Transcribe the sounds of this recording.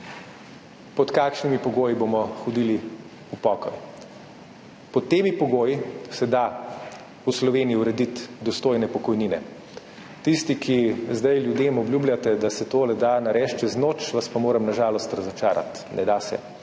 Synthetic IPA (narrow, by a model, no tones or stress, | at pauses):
pɔt̪kaːkʃnimipɔɡoːjibomɔxɔd̪ili | upɔːkɔj | pɔt̪ːeːmipɔɡoːjisɛd̪a | uslɔʋeːnijiwɾɛd̪it̪d̪ɔst̪oːjnɛpɔkɔjniːnɛ | t̪ist̪ikʰizd̪ajljud̪eːmɔbljuːblʲjat̪ɛd̪asɛt̪oːlɛd̪anaɾɛːʃt͡ʃɛznoːt͡ʃʋaspamoːɾɛmnaʒaːlɔst̪ɾɐzɔt͡ʃaːɾʔa̰t̪ | nʔɛd̪asɛ̰